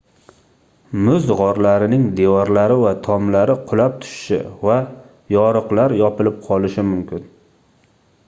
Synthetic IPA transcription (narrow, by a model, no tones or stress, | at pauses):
mʊzʁɒɾlaɾɪnɪŋd̪ewɒɾlaɾɪvat̪ʰɒmlaɾɪqʰʊlap̚t̪ʰʊ̥ʃɪ̥ʃɪ̰va | jɒɾɨqlaɾjɒpɪlɪp̚qʰɒlɪʃɪmʊmkʲɪn